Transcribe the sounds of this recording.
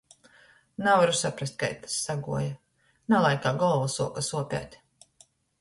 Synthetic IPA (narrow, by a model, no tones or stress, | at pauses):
navaɾusapɾast̪̚ka̰jt̪ḁsːaɡuɔja | nalˠajkaːɡɔlˠvasuɔkasuɔpʲa̰ːt̪ʲ